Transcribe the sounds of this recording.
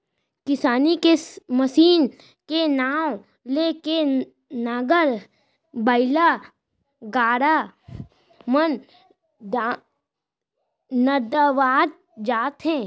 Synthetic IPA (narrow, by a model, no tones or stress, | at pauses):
kɪsaːnikeməsiːn | kenaːw | leːke | naɡəɾ | bəɪlaː | ɡaːɽaː | mən | da | nəd̪əʋaːd̪̚ | d͡ʒaːt̪ɦɛ̃ː